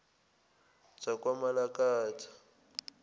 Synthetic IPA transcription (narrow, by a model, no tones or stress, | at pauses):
t͡sakʼwamalakʼaːtʰḁ